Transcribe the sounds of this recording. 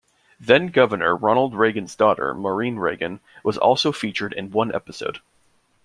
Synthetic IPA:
ðɨ̃nɡʌvə˞nə˞ɹɑnl̩ˠd̚ɹeɪɡɨ̃nzdɔɾə̰˞mə˞ĩnɹeɪɡɨ̃nwʌzɔ̰lˠsoʊfit͡ʃə˞ɾɨ̰̃nwʌ̃nʔɛ̰pəsoʊd̥

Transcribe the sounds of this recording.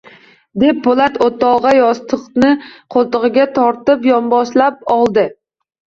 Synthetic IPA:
d̪e̞p̚bolat̪ot̪ɒʁɑjɒst̪ʰɨqnɪqʰolˠt̪ɨʁɨɡʲat̪ʰɒɾt̪ɪpjɒmbɒʃlap̚ɒlˠd̪ɪ

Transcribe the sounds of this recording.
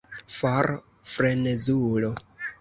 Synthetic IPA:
faɾ | fɾenezulo

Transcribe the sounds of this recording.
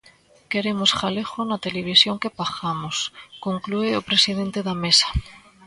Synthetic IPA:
keɾemosxalexonat̪eleβ̞isjoŋkepaxamoskoŋklueopɾesiðent̪eðamesḁ

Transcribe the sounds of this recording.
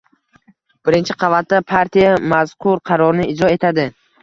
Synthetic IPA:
b̥ɪɾɪnt͡ʃʰɪqʰɑvat̪ːapʰaɾt̪ʰijamaz̥qʰʊɾqʰɑɾɒɾnɪɪd͡ʒɾɒe̞t̪ʰad̪ɪ

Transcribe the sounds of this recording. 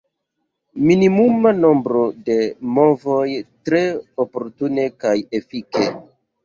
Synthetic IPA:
minimumano̞mbɾo̞de̞mo̞vo̞jtɾe̞opo̞ɾtune̞kajefike

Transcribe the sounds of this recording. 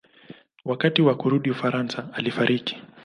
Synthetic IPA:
wakatiwakuɾuɗiufaɾansaːlifaɾʔiki̥

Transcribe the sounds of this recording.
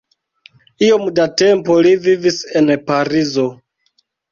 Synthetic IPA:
io̞mdate̞mpo̞livivise̞npaɾizo̞

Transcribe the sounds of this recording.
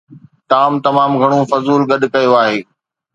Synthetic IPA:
t̪aːmt̪ɐmaːmɡʱɐɽ̃õfɐzuːlɡɐɗkɐjoaːɦeː

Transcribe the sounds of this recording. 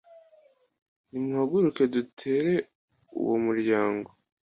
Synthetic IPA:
nimuhaɡuɾuke̞dutʰe̞ːɾe̞ | ṵwomuɾɟaːŋɡo̞

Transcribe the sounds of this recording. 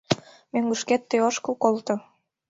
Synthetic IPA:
møŋɡuʃket̪ːeoʃkəkolt̪ɤ̆

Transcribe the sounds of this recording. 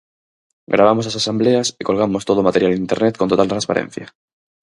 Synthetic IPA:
ɡɾaβamo̞slasasambleasiko̞lɣ̞amo̞st̪oð̞omat̪eɾjalint̪eɾnet̪ko̞nt̪ot̪alt̪ɾãnspa̰ɾḛ̃n̟θja

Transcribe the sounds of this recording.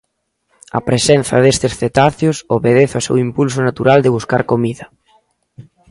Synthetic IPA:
ɐ̰pɾesen̟θɐ̰ðest̪esθet̪aθjosoβeð̞eθasḛwimpuls̬onat̪uɾald̪ɪβuskaɾkomiðɐ

